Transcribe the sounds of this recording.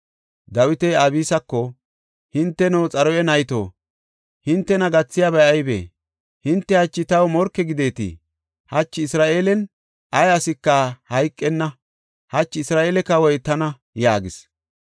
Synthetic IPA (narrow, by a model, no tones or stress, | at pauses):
d̪ɐwɪt̪ɛabiːsɐkːɔ | hɪnt̪ːɛnɛwt͡sʼɐɾɔjɛnɐjt̪o̰ː | hɪnt̪ːɛnɐɡɐt͡sːɪjabɐjɐjbḛː | hɪnt̪ːɛhɐt͡ʃːɪt̪ɐwmɔɾkːɛɡɪd̪e̞ːt̪ɪ̰ | hɐt͡ʃːɪːsɾaːʔeːlɛn | ʔɐjɐsɪkːɐhɐjkʼːɛnːɐ | hɐt͡ʃːɪɪsɾaːʔeːlɛkːɐwɔjt̪ɐnɐ | jaːɡɪs